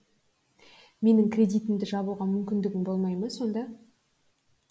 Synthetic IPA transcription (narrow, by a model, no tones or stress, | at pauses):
me̞nɪŋkʰrʲe̞d̪ijt̪ɪmd̪ɪʒɑβulˠʁɑmʏmkʲɪnd̪ɪɡʲɪmbo̞lˠmɑjməso̞nd̪ɑ